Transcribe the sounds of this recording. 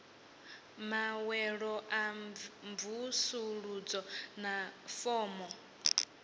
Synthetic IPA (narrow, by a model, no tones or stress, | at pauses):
mawɛɺɔʔamvusuɺud͡zɔnafɔːmɔ